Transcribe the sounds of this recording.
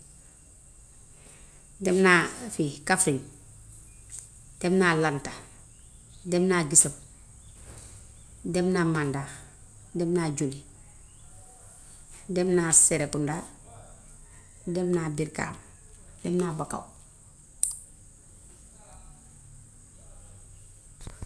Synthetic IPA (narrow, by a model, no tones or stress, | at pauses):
demnafikafɾiŋ | d̥emnalanta | demnaɡisam | demnamanda | demnaɟuli | demnaseɾekunda | demnabiɾka̰ːm | d̥emnabaka̰w